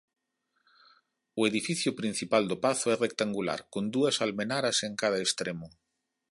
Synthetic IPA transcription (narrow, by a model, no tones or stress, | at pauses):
ʊeðifiθjʊpɾĩn̟θipald̪ʊpaθʊɛrek̚t̪aŋɡula̰ɾkond̪uɐsalmenaɾɐseŋkað̞ɐest̪ɾemʊ